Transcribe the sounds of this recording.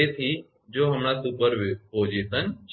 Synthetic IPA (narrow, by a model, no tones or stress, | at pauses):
et̪ʰi | d͡ʒoːɦəmɳasupəɾʋpoːd͡ʒet̪ənt͡ʃ